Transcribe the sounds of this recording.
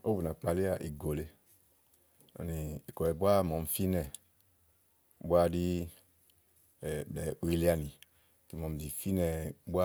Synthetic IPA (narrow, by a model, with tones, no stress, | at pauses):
o˦bu˨na˨k͡pa˨li˦a˨ʔi˨ɡo˨le˧ | ɔ̰˨ni˨i˨kɔ˨ɛ˨bwa˦˨mɔ˨m˨fi˦nɛ˧˨ | bu˦a˦di˦˨ | bɛ˨˦u˨i˧li˦a˧ni˨ | ki˨mɔ˨m˨vi˨fi˦nɛ˧bu˦a˦